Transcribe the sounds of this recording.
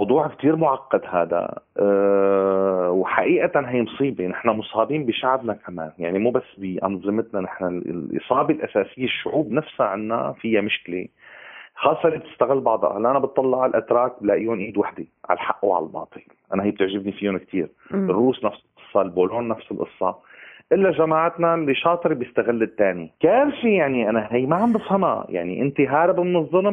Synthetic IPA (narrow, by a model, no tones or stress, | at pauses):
mɑwd̪ˤuːʕkt̪iːɾmʊʕaqːɑd̪ha̰ːd̪a̰ | wħaʔiːʔat̪anɦijːmʊsˤiːbenɪħnamʊsˤɑːbiːnbiʃaʕbnakamaːnjaʕnimuːbasːbiʔa̰nzˤɨmɪt̪nanɪħnal̰lʔɨ̰sˤɑːbelʔasaːsɪjːeʃːʊʕuːbnafshaʕanːa̰fɪjːamʊʃkɪle | xɑːsˤːɑʔlːib̚t̪ɪst̪aɣɪlːbɑʕd̪ˤɑ̰halːʔanabɨt̪ˤːɑlːɑʕalʔat̪ɾˤɑːk̚blaːʔɪjːʊnʔiːd̪waħd̪iʕa̰lħaʔːʕa̰lalbɑ̰ːt̪ˤɨl | ʔanahijːb̚t̪ɪʕʒɪbnifijʊnk̚t̪ʰḭːɾ | ɪrːuːsnafsɪlʔɨsˤːɑlboːloːnːafsɪlʔɨ̰sˤːɑ | ʔɪlːaʒamaːʕat̪nalːiʃɑːt̪ˤɨɾibjɪst̪aɣɪlːɪt̪ːaːnḭkaːɾfijaʕniʔanaɦijːmaʕambɪfhama̰ja̰ʕnḭʔɪnt̪iɦaːɾɪbmɪnɨzˤːʊl